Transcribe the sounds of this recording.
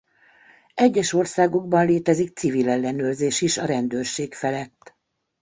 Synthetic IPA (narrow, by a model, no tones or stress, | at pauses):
ɛɟːɛʃo̞rsaːɡoɡ̚bɒnleːt̪ɛzik̚t̪sivilɛlːɛnøːrzeːʃiʃɒɾɛnd̪øːrʃeːkfɛlɛt̪ː